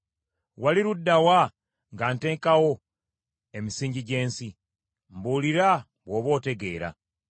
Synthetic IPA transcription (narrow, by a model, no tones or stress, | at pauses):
waliɾudːawa | ŋɡaːnte̞ːŋkawo̞ | e̞misiːɲɟiɟe̞ːnsi | mbuːliɾa | βwo̞ːβo̞ːte̞ɡe̞ːɾa̰